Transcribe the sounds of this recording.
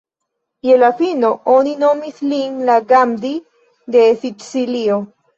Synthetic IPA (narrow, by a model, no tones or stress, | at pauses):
je̞lafino̞onino̞mislinlaɡamdi | de̞sitsilio̞